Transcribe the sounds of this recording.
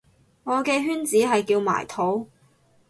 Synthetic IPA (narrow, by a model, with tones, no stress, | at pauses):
ŋɔː˨˧kɛː˧ɦyː˥nt͡siː˨˥ɦɐ˨jkiː˧wma̰ː˨˩jt̪ʰo˨˥w